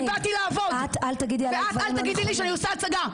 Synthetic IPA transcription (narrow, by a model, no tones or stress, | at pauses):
bat̪ilaːvodat̪alt̪aɡid̪lialeaatvaalaɡid̪iliʃeaniosaat͡saɡa